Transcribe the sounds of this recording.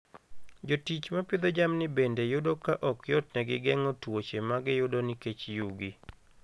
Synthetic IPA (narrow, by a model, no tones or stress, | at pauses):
d͡ʒotit͡ʃmapɪd̪od͡ʒamnɪbendejʊdokaʔɔkjɔtnɛɡɪɡɛŋɔtwot͡ʃemaɡɪjʊdonɪket͡ʃjuɡi